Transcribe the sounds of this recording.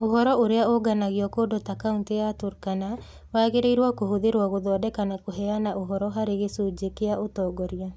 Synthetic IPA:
oɦɔɾɔoɾeaoɡanaɣiɔkodotakaunteatoɾkana | waːɣeɾeiɾwakohoðeɾwaɣoðɔɔdɛkanakoɦɛanaʔoɦɔɾɔɦaɾeɣesod͡ʒekeaotɔːɡɔɾja

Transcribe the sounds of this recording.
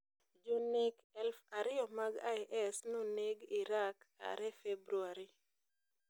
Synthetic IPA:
d͡ʒunikɛlfaɾɪɔmaɡajʔɛsnoneɡiɾaka̰ɾɛfebɾuaɾi

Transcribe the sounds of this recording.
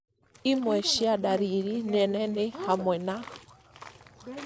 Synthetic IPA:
imwɛʃiaɗaɾiɾinɛnɛnɪhamwɛna

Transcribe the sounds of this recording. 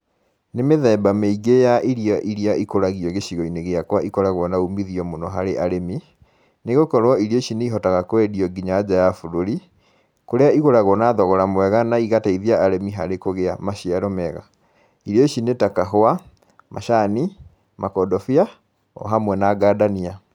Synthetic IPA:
nemeðɛbameiɡejaʔiɾiaʔiɾiaʔikoɾaɣiɔɣeɕiɣɔineɣeakwaʔikɔɾaɣɔnaumiðiɔmonɔɦaɾeʔaɾemi | neɣokɔɾwɔiɾiɔʃineiɦɔtaɣakoɛdiɔɡiɲaːd͡ʑajafoɾoɾi | koɾeaiɣoɾaɣwɔnaːðɔɣɔɾamwɛɣanaiɣataiðiaːɾemiɦaɾekoɣeamaɕiaɾɔmɛɣa̰ | iɾiɔiʃinetakaɦoa | mʔaʃani | makɔdɔfia | ɔ̰ɦamwɛnaɡaːdania

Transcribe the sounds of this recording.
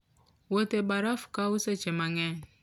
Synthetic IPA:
wotebaɾafu̥kauset͡ʃemaŋɛ

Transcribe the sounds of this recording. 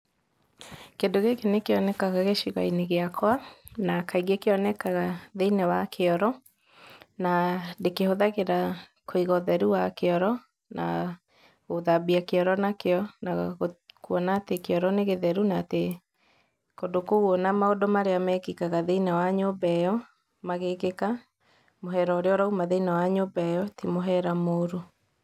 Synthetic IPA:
kedoɣekenekeɔnɛkaɣaɣeʃiɣa̰ineɣeakʰwanakaiɣekeɔnɛkaɣaðeinɛwakʰeɔɾɔ | nadekehoðaɣeɾakoiɣɔðɛɾuwakeɔɾɔ | nʔa̰ | ɣoðabiakeɔɾɔnakeɔnakuɔnatekeɔɾɔneɣeðɛɾunate | kodokouɔnamaodɔmaɾeamɛːkikaɣaðeinawaɲobɛjɔ | maɣekeka | moɦɛɾɔoɾeɔɾaumaðɛinawaɲobɛjɔtimoɦɛɾamoːɾo

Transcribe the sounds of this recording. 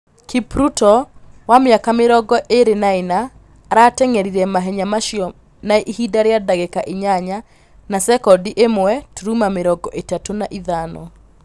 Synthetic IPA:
kipɾutɔwameakameɾɔɡɔʔeɾenaena | ɾatɛŋɛɾiɾɛmaɦɛɲamaʃiɔ | nahidaɾeadaɣekaʔeɲaɲa | nasɛkɔdiʔemowɛtoɾumameɾɔɡɔʔetatonaʔiðanɔ̰

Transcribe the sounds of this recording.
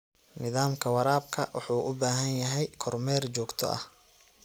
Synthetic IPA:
nɪðaːmkʰɐwɑɾaːb̚kʰɐwʔʊ̰ħuːʔʊbaːɦɐnjɐɦɛjkʰɔrmɛːrt͡ʃɔːɡt̪ʰɔ̰ʔɐ̰h

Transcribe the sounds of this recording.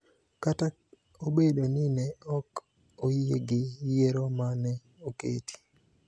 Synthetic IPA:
kata | obedonɪnɛɔk | ojḛɡɪjeɾomanɛ | okḛti̥

